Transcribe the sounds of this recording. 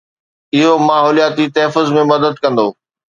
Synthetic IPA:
ɪɦomaːɦɔːlijaːt̪it̪ɛɦfʊzmẽmɐd̪əd̪̚kɐ̃nd̪oː

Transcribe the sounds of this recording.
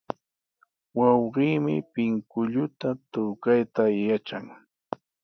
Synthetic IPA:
wɑwɢiːmɪ̰pɪŋkʊʎʊt̪at̪ʊkajt̪ajat͡ʃaŋ

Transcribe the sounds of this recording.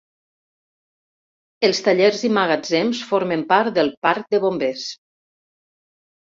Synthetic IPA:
elˠst̪aʎeɾzimaɣad͡zemsfoɾmempaɾt̪d̪əlˠpaɾk̚d̪əβombes

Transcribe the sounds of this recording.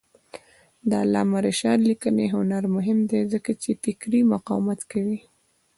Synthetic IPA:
d̪əalːɑ̰maɾeʃɑd̪likəneɦʊnaɾmʊɦɪmd̪ezəkat͡ʃefɪkɾimʊqɑ̰wmat̪kawi

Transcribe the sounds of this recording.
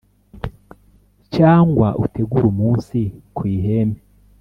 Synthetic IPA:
t͡ʃaːŋɡwaʔutʰe̞ɡuɾumuːnsikwiːɦe̞ːme

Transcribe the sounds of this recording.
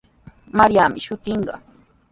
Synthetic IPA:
maɾjamɪʃʊt̪ɪɴɢɑ̰

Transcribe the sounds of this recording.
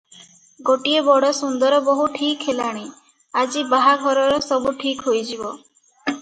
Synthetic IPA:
ɡoʈiebɔɽɔsund̪ɔɾɔbɔɦuʈʰikɦelaɽ̃i | ad͡ʒibaɦaɡʱɔɾɔɾɔsɔbuʈʰikɦojd͡ʒibɔ

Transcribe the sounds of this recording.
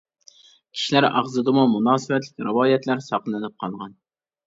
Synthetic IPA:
kʲʰi̥ʃilæɾɑ̰ʁzɨd̪ɨmumunɑːsɨbɛt̪lɪkʲɾɨwɑːjɛt̪læɾsɑqləɨnɨp̚qʰɑlˠʁɑn

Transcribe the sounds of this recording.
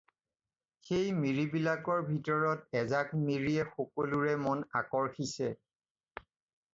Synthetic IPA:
xejmiɹibilakɔɹbʱitɔɹɔtɛzakmiɹiɛxokoluɹɛmɔna̰kɔɹxisɛ

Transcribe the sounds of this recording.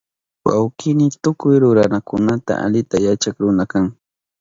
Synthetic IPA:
wa̰wkɪnɪt̪ʊkʊjɾʊɾanakʊnat̪a̰ʔa̰ʎɪt̪ajat͡ʃakɾʊnakaŋ

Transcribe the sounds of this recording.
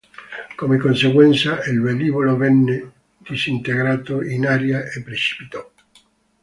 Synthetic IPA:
komekonseɣwɛnt̪sailveliβolovɛnːe | d̪isint̪eɣɾaːt̪oʔinaɾjaʔepːɾet͡ʃi̥pit̪ɔ

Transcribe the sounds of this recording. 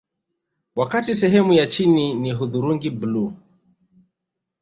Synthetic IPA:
wakatisɛɦɛmujat͡ʃininiɦuðuɾuŋɡiblu

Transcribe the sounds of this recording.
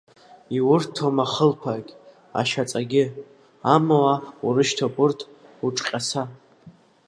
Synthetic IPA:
iwʊrtʰːomaχəlpʰakʲ | a̰ʃat͡sʼaɡʲɪ | amawauɾɨʃtʰopʼʊrtʰ | uʈ͡ʂʼqʲʼasa

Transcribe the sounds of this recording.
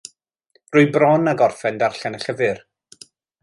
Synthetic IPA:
rʊɨbrɔnaɡɔrfɛndarɬanəɬəvɨr

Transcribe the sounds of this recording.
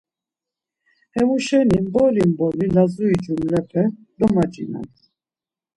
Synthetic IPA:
hɛmuʃɛnimbɔlimbɔlilazuid͡ʒumlɛpʰɛ | d̪ɔmad͡ʒḭna̰t̪ʰ

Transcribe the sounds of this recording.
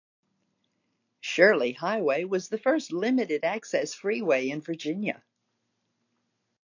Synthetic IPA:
ʃʊɹlˠihaɪweɪwʌzðɨfɜ˞stˡlɪ̃mɨɾɨɾæksɛsfɹiweɪɨ̃nvə˞d͡ʒɪ̃njɨ̰

